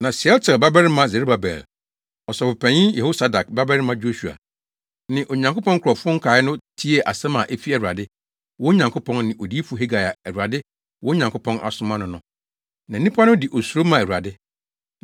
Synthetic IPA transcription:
nã˨sɪ˨ɛ˦lt͡sʰɛ˨ba˦bɛ˦ɾɪ˦mã˦ze˨ɾo˦ba˨bɛ̰˨l | ɔ˨sɔ˨pʊ˨pʰæ̃˨ɲĩ˦jɛ˨ho˦sa˦da˨k̚ba˦bɛ˦ɾɪ˦mã˦d͡ʑo˦ɕu˨a̰˨ | nɪ̃˨ʔo˨ɲã˨ŋkʊ˦pɔ̃˦ŋkʰʊ˨ɾɔ˨fʊ˦ŋ̩˦kʰaː˨˦ɪ˦nʊ̃˦tʰi˦e˨ʔa˨sɛ̃˦mã˨ʔe˦fi˦ɛ˨u˨a˨dɪ˦ | wɔ̃˦ɲã˨ŋkʰʊ˦pʰɔ̃˦nnɪ̃˨ʔo˨di˦e˦fu˨˦ɦe˦ɡa˨ja˨ɛ˨ɾu˨a˨dɪ˦ | wɔ̃˦ɲã˨ŋkʰʊ˦pʰɔ̃˦nʔa̰˨sʊ̃˦mã˦nʊ̃˨nʊ̃˨˦ | nã˨n˨nĩ˦pʰa˦nʊ̃˦di˨ʔo˨su˨ɾo˦mã˨ɛ˨ɾu˨ɾa̰˨dɪ˦

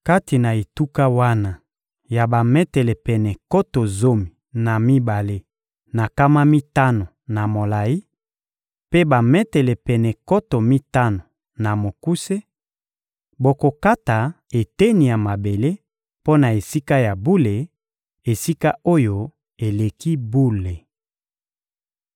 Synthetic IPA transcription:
ka˦ti˨na˨e˨tu˦ka˦wa˦na˨ | ja˨ba˨mɛ˦tɛ˨lɛ˨pɛ˨nɛ˨ko˦to˨zo˦mi˨ | na˨mi˦ba˨le˦ | na˨ka˦ma˦mi˦ta˦no˨na˨mo˨la˨i˦ | pe˦ba˨mɛ˦tɛ˨lɛ˨pɛ˨nɛ˨ko˦to˨mi˦ta˦no˨ | na˨mo˨ku˦se˦ | bo˨ko˨ka˦ta˨ | e˨te˦ni˨ja˨ma˨be˨le˦ | po˦na˨e˨si˦ka˦ja˨bu˦le˨ | e˨si˦ka˦o˦jo˦ | e˨le˨ki˦bu˦le˨

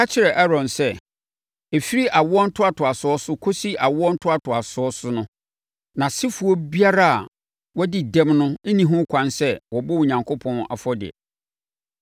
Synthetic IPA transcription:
a˦t͡ɕʰɪ˦ɾɛ˨ʔɛ˦ɾɔ̃˨nsɛ˦ | e˨fi˦ɾi˦ʔa˨wɔ˦n̩˦tʰʊ˦a˨tʰʊ˨a˨sʊ˨˦ɔ˦sʊ˦kʰo˦si˦ʔa˨wɔ˦n̩˦tʰʊ˦a˨tʰʊ˨a˨sʊ˨˦ɔ˦sʊ˦nʊ̃˦ | nã˨sɪ˦fu˨ɔ˦bi˦a˦ɾa˦a˨ | wɔ˦dɪ˨dɛ̃˦mnʊ̃˦nĩ˦ɦʊ̃˦kʰʷã˦nsɛ˦wɔ˨bɔ˦wu˨ɲã˨ŋkʰo˦pʰɔ̃˦na̰˨fɔ˦dɪ̰˨ɛ̰˨

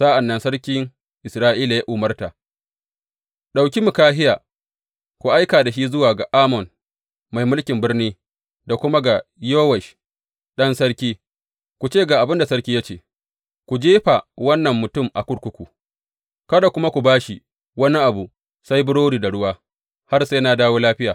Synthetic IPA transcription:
sa˦ʔa˨nːɐ˨nsɐ˦ɾkʲɪ˦ŋ | ʔɪ˨sɾaː˦ʔiː˦la˨ja˦ʔʊ˨mɐ˦rta˨ | ɗa˨wkʲi˦mʊ˨kaː˦ɦɪ˦jaː˨ | kʷu˨ʔa˦jkaː˨da˨ʃi˦zʊ˦waː˨ɡa˨ʔaː˦mɔ˨n | ma˨jmʊ˦lkʲɪ˨mbɪ˦rniː˦ | da˨kʷʊ˦ma˦ɡa˨joː˦wɛ˨ʃ | ɗɐ˦nsɐ˦ɽkʲiː˦ | kʷu˨t͡ʃeː˦˨ɡa˨ʔa˨bɪ˦nda˨sɐ˦kʲiː˦ja˦t͡ʃeː˨ | kʷu˨d͡ʒeː˦ɸa˨wɐ˦nːɐ˨mːʊ˨tʊ˦mʔa̰˨kʷʊ˦ɽkʷʊ˦kʷu˨ | kɐ˦da˨kʷʊ˦ma˦kʷu˨baː˦ʃi˨ | wɐ˦ni˦ʔa˨bu˨ | sa˦jbʊ˦ɽoː˦ɽiː˨da˨ɽʊ˦waː˦ | ha˦rsa˦na˦daː˦woː˦laː˦ɸɪ˦jaː˨

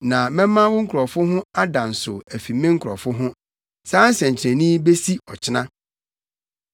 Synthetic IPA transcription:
nã˨mɛ̃˦mːã˦wʊ˦ŋ̩˦kʰɔ˨fʊ˦ɦʊ̃˦a˦dã˨n̩˨sʊ̰˨æ˨fi˨mɪ̃˦ŋ̩˦kʰʊ˨ɾɔ̰˨fʊ˦ɦʊ̃˦ | sãː˦n̩˦sɛ̃˨ɲ̩˨t͡ɕʰɪ˨ɾæ̃˨nĩ˦be˦si˦ɔ˨t͡ɕʰɪ˦nã˦

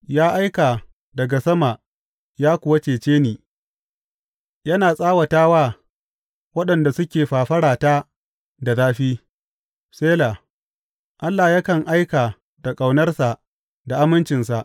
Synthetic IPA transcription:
jaː˦ʔa˦jka˨ | dɐ˨ɡa˨sɐ˦ma˨ | jaː˦kʷʊ˨wɐ˦t͡ʃeː˨t͡ʃeː˦niː˨ | jɐ˦naː˨sʼaː˦wɐ˨taː˦waː˦ | wɐ˦ɗɐ˨nda˨sʊ˦kʲeː˨ɸaː˨ɸɐ˦ɽaː˨taː˦ | da˨zaː˦ɸiː˦ | seː˦laː˨ | ʔa˦lːa˨ja˦kɐ˨ŋʔa˦jkaː˨ | da˨kʼa˨wnɐ˦rsa˨ʔ | da˨ʔa˦mɪ˦nt͡ʃɪ˨nsa˨ʔ

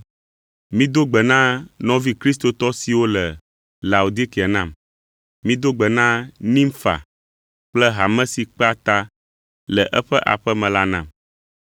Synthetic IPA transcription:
mĩ˦d̪o˦ɡ͡bɛ˨nã˦nɔ̃˦vi˦kɾi˦s̬t̪o˨t̪ɔ˦si˨wo˦lɛ˨ | la˨u˨d̪i˦ki˨ɛ˨nã˦˨m | mĩ˦d̪o˦ɡ͡bɛ˨nã˦nĩ˦mfa̰˨ | k͡plɛ˦ɦa˨mɛ̃˦si˨k͡pa˦t̪a˦ | lɛ˨ʔɛ˦ɸɛ˦ʔa̰˨ɸɛ˦mɛ̃˨la˦nã̰˨m

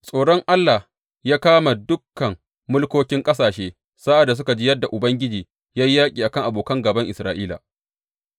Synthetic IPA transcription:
sʼoː˨ɽɔ˦ŋʔa˦lːa˨h | jaː˦kaː˦ma˨dʊ˦kːɐ˨mː | ʊ˦lkʷoː˦kʲɪ˦ŋkʼɐ˦saː˨ʃeː˦ | saː˦ʔa˨dːa˨s̬ʊ˦ka˨d͡ʒiː˦jɐ˦dːa˨ʔʊ˨bɐ˦ŋɡʲɪ˦d͡ʒiː˨ | jaː˦jjaː˦kʲʼiː˨ʔa˨kɐ˦ŋʔa˨boː˨kɐ˦ŋɡɐ˨bɐ˦ŋʔɪ˨sɾaː˨˦ʔiː˦la̰ː˨

